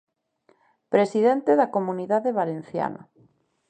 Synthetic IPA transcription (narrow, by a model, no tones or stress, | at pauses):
pɾesiðent̪eðakomuniðaðeβalen̟θja̰na̰